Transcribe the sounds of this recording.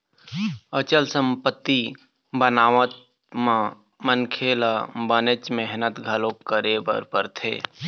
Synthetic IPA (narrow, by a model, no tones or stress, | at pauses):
ət͡ʃəlsə̃mpət̪ːi | bənaːʋət̪ | mã | mənkʰeːlabənet͡ʃmɛɦnət̪ɡʱəloːkəɾebə̰ɾpəɾt̪ʰḛː